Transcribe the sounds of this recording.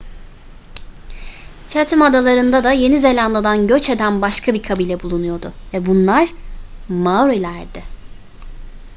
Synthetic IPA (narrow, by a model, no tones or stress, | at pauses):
t͡ʃʰat̪ʰimad̪alˠaɾɯnd̪ad̪aje̞nize̞lʲanlˠad̪anɟø̞t͡ʃe̞d̪ænbaʃkʰabikʰabilʲɛbulˠunujo̞d̪ʊ̰vɛbunlˠaɾ̥ | mawɾelʲæɾd̪ɪ